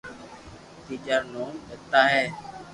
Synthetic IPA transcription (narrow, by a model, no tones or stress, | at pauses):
t̪iːd͡ʒaːnoːmet̪aːɦɛː